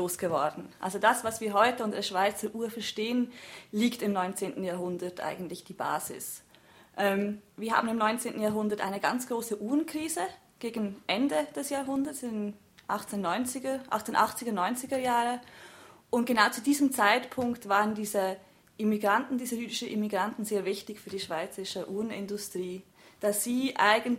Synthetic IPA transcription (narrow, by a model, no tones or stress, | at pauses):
oːsɡ̥əvɔɐdn̩ʔa̰lzodasvasv̥iːɐɦɔʏtəʊntəd̥eːɐʃv̥aɪt͡st͡səʔuːɐfɛɐʃteːənliːktɪmnɔʏnt͡seːntn̩jaːɐɦʊndɐtʔa̰ɪɡn̩tlɪçd̥iːba̰ːzɪ̰s | ʔɛmviːɐha̰ːbmn̩ɪmnɔʏnt͡seːntn̩jaːɐɦʊndɐtʔa̰ɪnəɡa̰nt͡sɡ̥ʁoːsəʔuːʁənkʁ̥iːzə | ɡ̥eːɡn̩ʔɛndəd̥ɛsjaːɦʊndɐsn | ʔaχt͡senːɔʏnt͡sɪɡʔa̰χt͡senʔaχt͡sɪɡəɐnɔʏnt͡sɪɡəjaːʁə | ʔʊntɡ̥ənaʊt͡sudiːzəmt͡saɪtpʰʊŋktv̥aːʁəndiːzə | ʔɪmiɡʁantn̩diːzəjyːdɪʃəʔɪmiɡʁantn̩zeːɐvɪçtɪçfyːɐdiːʃv̥aɪt͡səʁɪʃəʔuːʁənɪ̰ndʊstʁ̥iː | d̥aːsz̥iːʔaɪɡn̩